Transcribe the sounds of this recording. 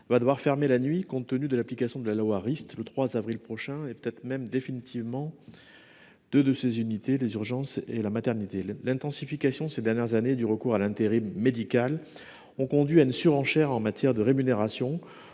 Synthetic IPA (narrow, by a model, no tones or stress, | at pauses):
vad̪əwaʁfɛʁmelanɥikɔ̃t̪ːənyd̪əlaplikasjɔ̃d̪əlalwaʁist̪lət̪χwazavʁilpχɔʃɛ̃epə̥t̪ɛt̪χəmɛmd̪efinit̪ivmɑ̃ | d̪̥ød̪əsezynit̪elezyʁʒɑ̃selamat̪ɛʁnit̪elɛ̃t̪ɑ̃sifikasjɔ̃sed̪ɛʁnjɛʁzaned̪yʁəkuʁalɛ̃t̪eʁimːed̪ikal | ɔ̃kɔ̃d̪ɥiaynsyʁɑ̃ʃɛʁɑ̃mat̪jɛʁd̪əʁemyneʁasjɔ̃